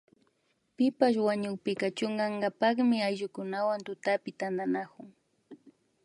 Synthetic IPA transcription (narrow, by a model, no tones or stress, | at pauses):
pɪpaʃ̬waɲʊkpɪkat͡ʃʊŋɢɑŋɢɑpɑχmɪajʒʊkʊnawant̪ʊt̪apɪt̪and̪anakʊŋ